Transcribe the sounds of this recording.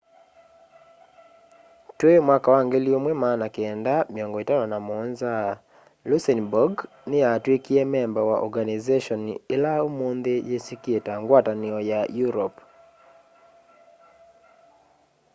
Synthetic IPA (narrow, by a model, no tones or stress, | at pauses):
twemwakawaŋɡeliomwemanakeɛndamiɔŋɡɔitaɾɔnamɔnza | lusɛnbɔɡ | nɪjatwekiɛmɛmbɔwaʔɔ̰ɡanizeʃɔnɪlaomond̪ejesikjetaŋɡwatanɪɔjajuɾɔp